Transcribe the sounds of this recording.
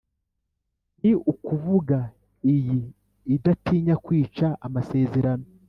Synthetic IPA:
niukuvuɡa | ijiː | datiːɲakwiːt͡ʃaʔamase̞ːze̞ɾano

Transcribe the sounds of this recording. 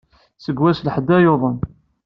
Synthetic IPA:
səɡwæslħəd̪ːæjoðˤən

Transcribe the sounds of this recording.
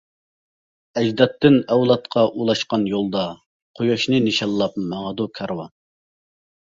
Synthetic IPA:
ɛd͡ʒd̪ɑt̪ʰːɨnɛwlˠɑt̪̚qʰɑʔulˠɑʃqɑnjolˠd̪ɑ | qʰojoʃnɨnɪʃɑlˠːɑp̚mɑʁəd̪ukʰɑɾwɑ̰

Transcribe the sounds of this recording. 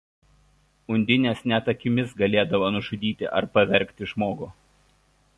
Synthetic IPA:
ʊnʲd̪ʲɪnʲeːsnʲɛt̪ɐkʲɪmʲɪsɡɐlʲeːd̪ɐʋoːnʊʒʊd̪ʲiːt̪ʲɪ̰ʔɐ̰ɾpɐʋʲɛɾʲˑkʲt̪ʲɪʒmoːɡʊː

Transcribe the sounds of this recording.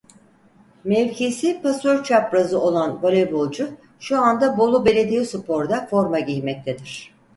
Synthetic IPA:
mɛvcʰesipasøɾt͡ʃʰapɾazɯo̞lˠanbolʲebolˠd͡ʒʊ | ʃuand̪abo̞lˠube̞lʲe̞d̪ijisupʰo̞ɾd̪afo̞ɾmaɟijmɛc̚t̪ʰed̪iɾ̝̥

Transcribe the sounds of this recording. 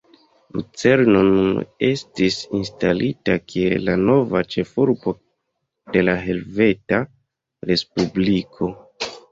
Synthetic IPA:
lṵt͡se̞ɾno̞nune̞stisinstalitakʰiellːano̞vat͡ʃe̞fuɾbo̞ | d̥e̞laɦe̞lve̞ta | ɾe̞spublikʰo̞

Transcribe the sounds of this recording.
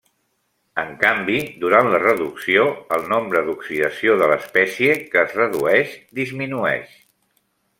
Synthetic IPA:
əŋkambid̪uɾanlərəðuksioəlˠnombɾəðuksiðəsioðələspɛsiəkəːzrəðuɛʃd̪izminuɛ̰ʃ

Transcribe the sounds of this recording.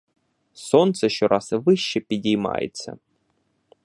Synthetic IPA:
sont̪səɕːoɾʔasvɨɕːɪpʲɪdʲɪma̰jɪ̰t̪sə̰

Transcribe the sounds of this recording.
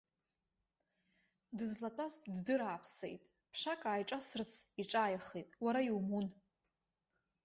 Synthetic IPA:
dɨzlatʼazʼddɨɾaːpʰsḛjtʼ | pʰʂakʼaːjʈ͡ʂʼasɨrt͡sʰiʈ͡ʂʼaːjχejtʼwaɾajiwmun

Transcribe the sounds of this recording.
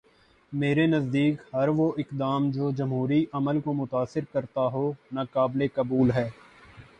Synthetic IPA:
meːɾenɐzd̪iːkhɐɾʋoʔɪkd̪aːmd͡ʒoːd͡ʒɐmɦuːɾiʔɐməlkomʊt̪aːsɪɾkɐɾt̪aɦonɐkaːblekɐbuːlɦɛː

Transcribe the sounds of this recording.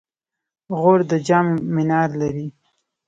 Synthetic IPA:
ɣoɾd̪əd͡ʒɑmmɪnɑɾlaɾi

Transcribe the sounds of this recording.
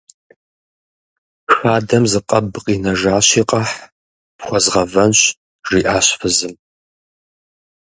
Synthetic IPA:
xaːdɐmzɨqʼɐbqʼiːnɐʒaːɕiːqʼɐħ | pχʷɔzʁɐvɐnɕ | ʐiːʔaːɕfɨzɨm

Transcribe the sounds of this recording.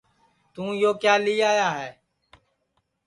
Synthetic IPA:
t̪ũːjoːkjaːliːaːjaːɦɛː

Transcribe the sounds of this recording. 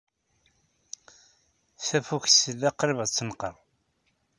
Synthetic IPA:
θæfuçsəlːæqɾivʁt͡sːənqəɾˤ

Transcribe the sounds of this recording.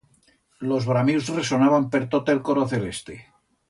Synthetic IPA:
lo̞zβɾamiwsreso̞naβampeɾt̪ot̪elkoɾoθe̞le̞st̪e

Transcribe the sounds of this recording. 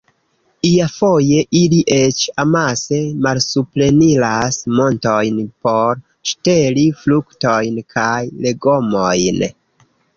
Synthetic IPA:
iafo̞je̞ʔiliʔe̞t͡ʃamase̞malsuple̞nilasmo̞nto̞jnpo̞ɾ | ʃte̞liflukto̞jnkʰajle̞ɡo̞mojn

